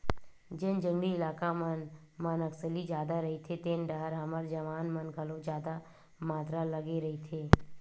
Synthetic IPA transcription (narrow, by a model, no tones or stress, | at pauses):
d͡ʒend͡ʒə̃ŋɡɽiɪlaːkamən | mənəksəlid͡ʒjaːd̪aɾəɦit̪ʰet̪eːnɖəɦəɾɦəməɾd͡ʒəʋaːnmənɡʱəlõd͡ʒjaːd̪a | maːt̪ɾaləɡeɾəɦit̪ʰeː